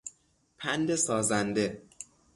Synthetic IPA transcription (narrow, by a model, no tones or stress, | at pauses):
pʰænd̪e̞sɒːzænd̪e̞